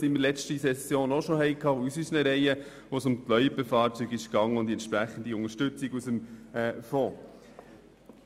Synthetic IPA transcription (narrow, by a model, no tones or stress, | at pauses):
iməɾlɛt͡ʃtisɛsjoːnɔʃoɦɛjkʰːɑːysysənəɾɛɪə | ʋosʊmtlœʏpəfɑːɾt͡syɡɪʃkɑŋːəʊnd̪ɛnt̪ʃpɾæχən̩d̥̪iʊŋəɾʃtʉt͡siɡusəmɛːfɔː